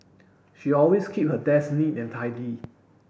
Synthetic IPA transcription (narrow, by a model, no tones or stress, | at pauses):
ʃiɔlweskʰip̚hədɛsnitɛ̃ntʰaɪli